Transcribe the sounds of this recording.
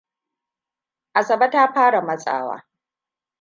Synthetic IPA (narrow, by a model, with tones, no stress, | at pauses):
ʔa˨sɐ˨ba˦ta˦ɸaː˦ɽa˨mɐ˦sʼa̰ː˦wa̰ː˦